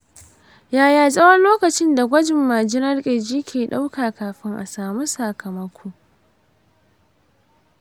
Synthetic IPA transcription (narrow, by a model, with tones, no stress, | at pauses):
jaː˨jaː˨sʼɐ˦wɐ˦nloː˦kɐ˨t͡ʃɪ˦nda˨ɡʷɐ˦d͡ʒɪ˨mːaː˨d͡ʒɪ˦nɐ˦rkʲʼɪ˨d͡ʒiː˦kʲʰeː˨ɗa˦wkaː˨kaː˨ɸɪ˦ŋʔa̰˨saː˨mu˦sa˨kʰɐ˨mɐ˦kʷʰoː˦